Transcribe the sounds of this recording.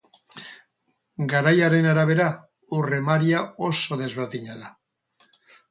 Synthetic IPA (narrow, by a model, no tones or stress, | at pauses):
ɡaɾajaɾenaɾaβe̞ɾa | uremaɾjaosoðe̞zβeɾðiɲaða